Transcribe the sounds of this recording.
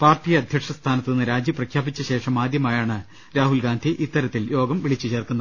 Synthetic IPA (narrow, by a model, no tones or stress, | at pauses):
paːrtijɐɐd̪ʱjɐkʂɐst̪ʰaːnɐt̪ːninːɨɾaːd͡ʑjɐprɐkʰjaːbit͡ɕːɐɕe̞ːʂɐmaːd̪jɐmaːjaːɳɨ | ɾaːɦulɡaːnd̪ʱiʔit̪ːɐɾɐt̪ːiljo̞ːɡɐmʋiɭit͡ɕːɨt͡ɕe̞ːrkunːɐ